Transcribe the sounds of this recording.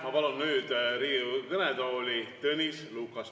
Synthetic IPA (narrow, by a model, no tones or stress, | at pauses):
mɑpɑlonːyːd̪̥ɾiːukɤned̪oːlʲit̪ɤnʲisluːkˑɑs